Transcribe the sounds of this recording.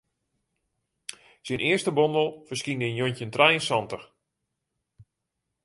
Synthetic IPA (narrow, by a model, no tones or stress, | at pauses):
sinʔɪərstəbɔndəlˠfərskinənjoncəntrɛjənsɑntəx